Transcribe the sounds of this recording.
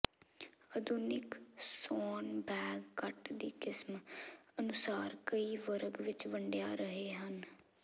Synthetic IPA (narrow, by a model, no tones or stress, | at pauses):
əd̪ʊnɪksoːnbɛːɡkəʈd̪iːkɪsmənʊsaːɾkəiːʋəɾəɡʋɪt͡ʃʋəɳɖjaːɾəɦeːɦən